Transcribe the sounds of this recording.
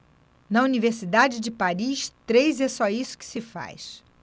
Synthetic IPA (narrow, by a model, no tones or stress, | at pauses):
nɐuniveɾsid̪ad͡ʒɪd͡ʒɪpaɾiʃt̪ɾejzɛsɔisʊ̥kɪ̥sɪfa̰jʃ